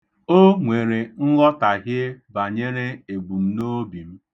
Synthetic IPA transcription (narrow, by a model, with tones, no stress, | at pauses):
o˦ŋʷe˨ɾe˨n̩˦ɣɔ˦ta˨ɦjɪ˦ba˨ɲe˦ɾe˦e˨ɡ͡bu˨m̩˦no˦bi˨m̩˦